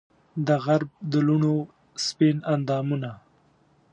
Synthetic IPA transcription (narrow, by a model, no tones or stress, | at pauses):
d̪əɣaɾb̚d̪əluɳo | spinand̪ɑːmuna